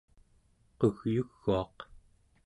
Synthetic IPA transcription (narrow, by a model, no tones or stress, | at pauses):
qoɣjuɣːuɑq